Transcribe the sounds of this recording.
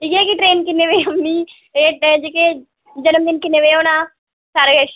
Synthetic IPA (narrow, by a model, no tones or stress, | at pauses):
iɡekiʈɾeːnkɪnːeʋeoni | ed͡ʒeke | d͡ʒɐnəmd̪inkɪneʋeonaː | saɾɡɐʃ